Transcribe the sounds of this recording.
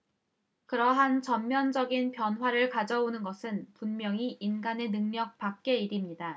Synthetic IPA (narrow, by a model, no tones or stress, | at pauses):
kɯɾʌɦant͡ɕʌmmjʌnd͡ʑʌɡinpjʌnɦwaɾɯɭkad͡ʑʌonɯnɡʌsʰɯnpunmjʌŋiinɡane̞nɯŋɲʌk̚pak̚k͈e̞iɾimɲida